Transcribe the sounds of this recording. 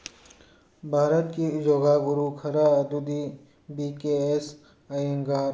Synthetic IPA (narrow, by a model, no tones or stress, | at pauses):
bʱaːɾət̪kid͡ʒoːɡaːɡʊɾuːkʰɐɾaːɐd̪ud̪i | biːkeːes | ajeŋɡaːɾ